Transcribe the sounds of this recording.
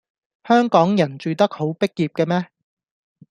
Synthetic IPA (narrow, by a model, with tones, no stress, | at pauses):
hœː˥ŋkɔː˨˥ŋjɐ˨˩nt͡ʃyː˨˧t̪ɐ˥k̚ho˨˥wpɪ˥k̚jiː˨p̚kɛ˧mɛː˥